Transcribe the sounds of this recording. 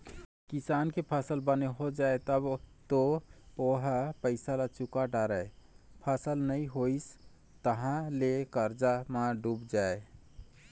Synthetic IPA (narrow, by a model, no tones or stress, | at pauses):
kisankepʰəsəlbəneɦod͡ʒaet̪əbt̪ooɦəpəɪsalat͡ʃukaɖaɾəpʰəsəlnəĩɦois | t̪əɦãlekəɾd͡ʒamaɖubd͡ʒae